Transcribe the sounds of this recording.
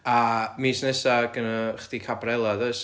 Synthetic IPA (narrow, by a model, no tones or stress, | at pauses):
amisnɛsaɡənaχd̥ikʰabrɛlˠaðəs